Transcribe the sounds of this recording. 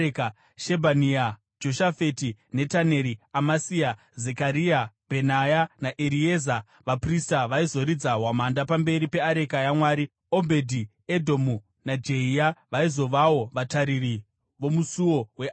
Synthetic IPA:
ka | ʃebʱania | d͡ʒo̞ʃafetine̞tane̞ːɾiamasia | ze̞kaɾiabʱe̞najanaʔeɾieza | ʋapristaʋaizo̞ɾid͡zaɦwamandapambe̞ɾipe̞aɾe̞kajamwaːɾi | o̞bʱe̞dʱi | edʱo̞mu | nad͡ʒe̞iaʋaizo̞ʋawo̞ʋataɾiri | ʋo̞musuwo̞we

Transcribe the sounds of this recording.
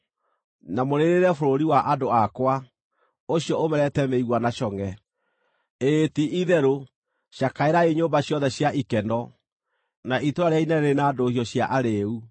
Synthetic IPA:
namoɾeɾeɾɛfoɾoɾiwaʔadoakwa | oɕjɔomɛɾɛtɛmeiɣwanaɕɔŋɛ | etiʔiðɛɾo | ɕjakaeɾaeɲoːmbaɕjɔðɛɕjaʔikɛndɔ | naʔitoaɾeainɛenaːdohiɔɕjaʔaɾeu

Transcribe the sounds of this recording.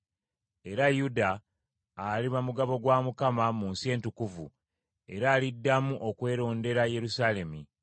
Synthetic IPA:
e̞ɾajudaː | liβamuɡaβo̞ɡwaːmukamamunsie̞ːntukuvṵ | e̞ɾaːlidːamuʔokwe̞ːɾo̞ːnde̞ɾaje̞ɾusaːle̞mi

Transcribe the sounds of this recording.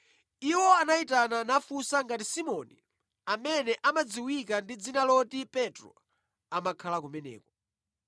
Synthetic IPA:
iwɔanaitananafusaŋɡatisimɔni | amɛnɛʔamad͡ziwik̬andid͡zinalɔtipɛtɾɔ̰ | amakʰalakumɛnɛ̰ːkɔ

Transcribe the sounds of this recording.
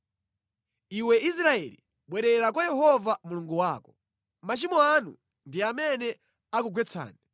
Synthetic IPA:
iwɛʔis̬ɾaɛlḭ | ɓwɛɾɛɾak̬wajɛhɔvamuluŋɡuwaːkɔ̥ | mat͡ʃimɔanu | ndiamɛnɛ | akuɡwɛt͡sʰa̰ːnɛ

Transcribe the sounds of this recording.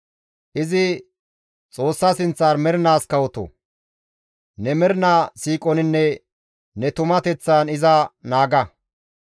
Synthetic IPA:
ʔɪzɪ | t͡sʼo̞ːsːɐsɪnt͡sːaːɾmɛɾnaːskɐwɔt̪ɔ̰ | nɛmɛɾnaːsiːkʼɔnɪnːɛ | nɛt̪ʊmɐt̪ɛt͡sːaːnɪzɐnaːɡɐ

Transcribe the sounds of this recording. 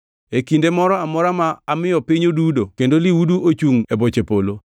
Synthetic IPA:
ekindemɔɾɔamɔɾamaːmɪjɔpɪɲodudokendoliwuduʔot͡ʃuŋebot͡ʃepolo

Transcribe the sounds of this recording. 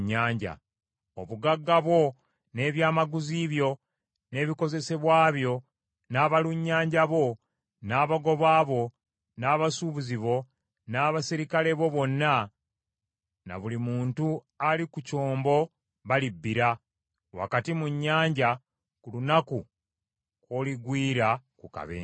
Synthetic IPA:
ɲːaːɲɟa̰ | o̞̰βuɡaɡːaβwo̞ | ne̞ːβjaːmaɡuziβjo̞ | ne̞ːβiko̞ze̞se̞βwaːβjo̞ | naːβaluɲːaːɲɟaβo̞ | naːβaɡo̞βaːβo̞ | naːβasuːβuziβo̞ | naːβasiɾikale̞βo̞βo̞nːa | na̰βulimuːntu | alikuco̞ːmbo̞ | βalibːiɾa | wa̰katimuɲːaːɲɟa | kulunaku | koliɡwiːɾakuka̰βḛː

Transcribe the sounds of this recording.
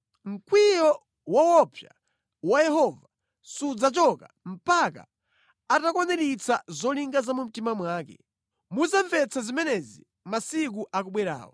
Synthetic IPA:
ŋ̩kwijɔ | wawɔpʰja̰ | wajɛhɔva | sud͡zat͡ʃɔka | m̩paka̰ | atakwanɛɾit͡sazɔliŋɡazamum̩timamwaːkɛ̰ | muzaɱvɛt͡sazimɛnɛzi | masik̬uʔak̬uɓwɛɾa̰ːwɔ

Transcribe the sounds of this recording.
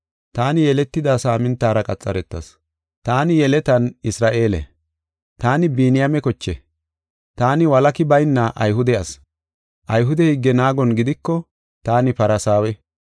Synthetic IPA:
t̪aːnɪjɛlɛt̪ːɪd̪aːsaːmɪnt̪ːaːɾɐkʼɐt͡sʼːɐ̰ɾɛt̪ːɐ̰s | t̪aːnɪjɛlɛt̪ɐnɪsɾaːʔe̞ːlɛ̰ | t̪aːnɪbiːnɪjamɛkɔt͡ʃːɛ | t̪aːnɪwɐlɐkɪbɐjnːɐʔɐ̰jɦʊd̪ɛjɐs | ʔɐjɦʊd̪ɛhɪɡːɛnaːɡɔnɡɪd̪ɪkːɔ | t̪aːnɪpɐɾɐsaːwɛ

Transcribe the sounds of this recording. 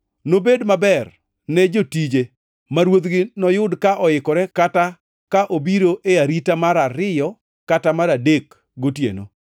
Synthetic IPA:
nobedmabɛr | nɛd͡ʒotid͡ʒe | maɾwot̪ɡɪnɔjʊdkaʔɔɪkɔɾɛkata | kaʔobiɾoʔeaɾitamaɾaɾɪjɔ | katamaɾadek | ɡotjḛno̰

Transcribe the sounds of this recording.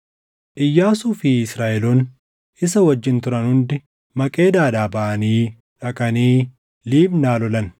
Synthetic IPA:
ʔɪjːaːsuːfɪɪsɾaːʔɛluːn | ɪsɐwɐd͡ʒːɪnt̪ʊɾɐnhʊnd̪ɪ | mɐkʼe̞ːd̪aːᶑaːbɐʔɐniː | ᶑɐkʼɐniː | liːbnaːlɔlɐn

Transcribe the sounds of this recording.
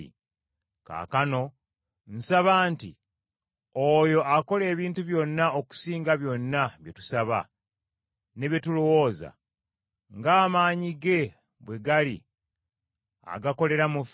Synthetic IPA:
ka̰ːkano̞ | n̩saβaːnti | ojo̞ʔako̞le̞ːβiːntuβjo̞nːaoku̥siːŋɡaβjo̞nːaβjetu̥saβa̰ | ne̞βjetulo̞wo̞ːza̰ | ŋɡaːmaːɲiɡe̞ | βwe̞ɡalḭ | a̰ɡako̞le̞ɾamu

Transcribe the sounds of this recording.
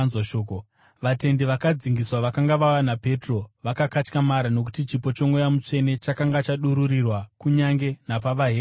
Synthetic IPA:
zaʃoːko | ʋate̞ndiʋakad͡ziŋɡiswaʋakaŋɡaʋawanape̞tro̞ʋakakat͡ʃkamaɾano̞k̬u̥tit͡ʃipo̞t͡ʃo̞mwojamut͡ʂe̞ne̞t͡ʃakaŋɡat͡ʃaɗuɾuɾirwakuɲaŋɡe̞napaʋaɦe

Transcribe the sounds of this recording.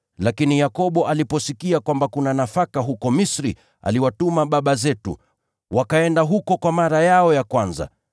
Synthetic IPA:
lakinijakɔɓɔʔalipɔsikiakwambakunanafakaɦukɔmisɾḭ | a̰liwatumaɓaɓazɛtṵ | wʔakaɛndaɦukɔkwamaɾajaɔjakwanza̰

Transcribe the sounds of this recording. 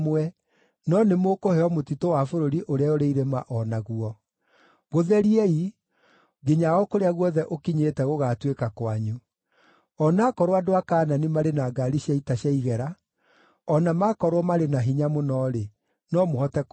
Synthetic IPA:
mɛ | nɔnemokohɛɔmotitowafoɾoɾiʔoɾeaoɾeiɾemaʔɔnaɣuɔ | ɣoðɛɾiɛi | ɡeɲaɣɔkoɾeaɣwɔðɛʔokiɲeːtɛɣoɣaːtwekakwaɲu | ɔnakɔɾoadoakaːnanimaɾenaɡaɾiɕjaitaɕjaiɣɛɾa | ɔnamakɔɾwɔmaɾenaɦiɲamonɔɾe | nɔmohɔtɛk

